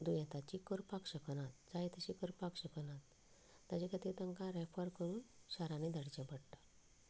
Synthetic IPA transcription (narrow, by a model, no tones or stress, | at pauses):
d̪ujãt̪at͡ɕikəɾpakɕəknat̪̚d͡zaet̪əɕikəɾpakɕəknat̪ː | at͡ɕekʰat̪it̪əŋkãɾɛfəɾkəɾuːnɕaɾãned̪ʱaɽt͡ɕɛ̃pəɽʈḁ